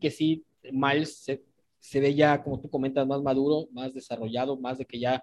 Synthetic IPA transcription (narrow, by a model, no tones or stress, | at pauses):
ke̞si | malsːe | se̞βe̞ʝako̞mo̞t̪uko̞ment̪azmazmaðuɾo̞mazðe̞saro̞ʝað̞o̞mazðe̞ke̞ʝa